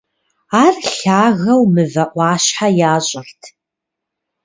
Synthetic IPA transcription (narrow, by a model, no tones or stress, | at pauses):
aːrɬaːɣɐwmɨvɐʔʷɑːʃħajaːɕʼɪrtʰ